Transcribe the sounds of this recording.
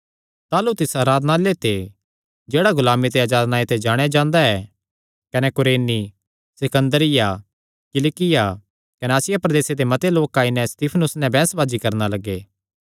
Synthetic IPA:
t̪aːlut̪ɪsaːɾaːd̪nalet̪ʰe | d͡ʒeːɽaɡʊlaːmit̪eaːd͡ʒaːd̪naet̪ʰed͡ʒaːɽ̃ead͡ʒãːnd̪aɛ | kɐnɛkʊɾeːni | sɪkə̃nd̪əɾɪja | kɪlɪkɪja | kɐneaːsɪjapɾɐd̪eːsed̪emɐt̪eloːkːãɪnɛ̃st̪iːpʰənʊsnɛ̃bɛ̃ːsbaːd͡ʒikɐɾnalɐɡːeː

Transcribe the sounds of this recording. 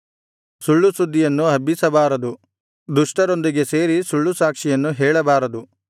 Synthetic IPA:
suɭːusud̪ʱːijɐnːuɦɐbːisɐbaːɾɐd̪u | d̪uʂʈɐɾo̞nd̪iɡe̞se̞ːɾisuɭːusaːkʂijɐnːuɦɛːɭɐbaːɾɐd̪u

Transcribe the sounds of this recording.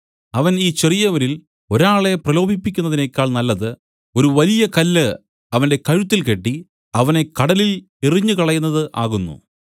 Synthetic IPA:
ɐʋɐniːt͡ɕe̞rijɐʋɐɾil | o̞ɾaːɭe̞prɐlo̞ːbʱipːikʲːunːɐðinekʲːaːɭnɐlːɐðɨ | o̞ɾuʋɐlijɐkɐlːɨ | ɐʋɐnde̞kɐɻut̪ːilke̞ʈːi | ɐʋɐne̞kɐɽɐlil | eriɲːɨkɐɭɐjunːɐðɨʔaːɣunːṵ

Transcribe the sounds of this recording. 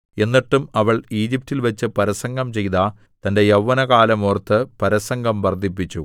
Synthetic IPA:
e̞nːiʈːumɐʋɐɭiːd͡ʑip̚tːilʋɐt͡ɕːɨpɐɾɐsɐŋɡɐmt͡ɕe̞jt̪a | t̪ɐnde̞jɐwːɐnɐɣaːlɐmoːrt̪ːɨpɐɾɐsɐŋɡɐmʋɐrd̪ʱipːit͡ɕːṵ

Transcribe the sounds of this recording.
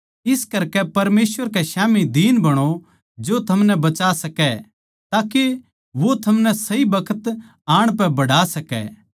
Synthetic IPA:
ɪskɐɾkɛpɐɾmeːsʋəɾkɛʃaːmid̪iːnbɐɽ̃o | d͡ʒot̪ʰɐmnɛbɐt͡ʃaːsɐkɛ | t̪aːke | ʋot̪ʰɐmnɛsɐibɐkʰət̪ | aːɽ̃pɛ̃bɐɽaːsɐkɛ̰

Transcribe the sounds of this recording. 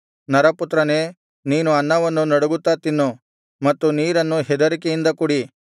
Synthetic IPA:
nɐɾɐput̪ːɾɐne | niːnuɐnːɐʋɐnːunɐɽuɡut̪ːat̪inːu | mɐt̪ːuniːɾɐnːuɦɛd̪ɐɾikeind̪ɐkuɽi

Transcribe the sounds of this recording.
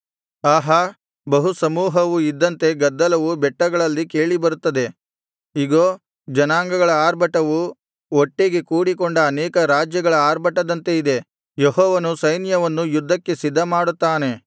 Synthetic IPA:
aːɦɐ | bɐɦusɐmuːɦɐʋuid̪ːɐnt̪e̞ɡɐd̪ːɐlɐʋubɛʈːɐɡɐɭɐlːike̞ːɭibɐɾut̪ːɐd̪e̞ | iɡoː | d͡ʒɐnaːŋɡɐɡɐɭɐaːɾbʱɐʈɐʋu | oʈːeɡe̞kuːɽikoɳɖɐːnɛːkɐɾaːd͡ʒjɐɡɐɭɐaːɾbʱɐʈɐd̪ɐnt̪e̞id̪e̞ | jeɦɔːʋɐnusɐjnjɐʋɐnːujud̪ʱːɐkːe̞sid̪ʱːɐmaːɽut̪ːaːne̞

